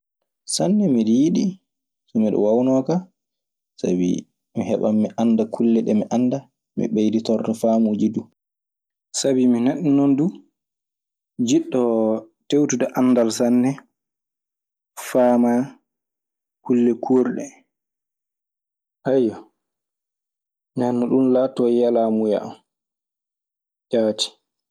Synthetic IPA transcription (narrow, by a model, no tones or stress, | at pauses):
sanːɛmiɾiiɗi | sɔmiɗɔ̰wawnɔka | sa̰bḭ | mihɛɓamːiʔanːdakʰulːɛɗɛmiʔanːda | mḭɓejditɔrtɔfaːmud͡ʒidu | sabiminaɗːinɔndu | d͡ʒiɗːɔ | tewtudaʔanːdalsanːɛ | faːma | kulːɛkʰuɾɗɛ | hajɔ | nɛnːɔɗunlatɔjalamuja̰ʔam | d͡ʒaːti̥